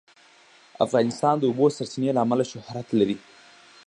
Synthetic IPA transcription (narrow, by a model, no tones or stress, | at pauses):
a̰fɣɑnɪst̪ɑnd̪əubosaɾsinelaːmalaʃʊhɾat̪laɾi